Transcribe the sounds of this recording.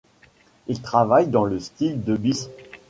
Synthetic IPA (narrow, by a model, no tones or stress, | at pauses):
ilt̪χavajd̪ɑ̃ləst̪ild̪əbis